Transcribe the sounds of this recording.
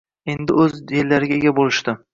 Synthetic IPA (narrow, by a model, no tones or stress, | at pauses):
e̞nd̪ɪɵzellːaɾɪɡʲaeɡʲabolɪʃt̪ɪ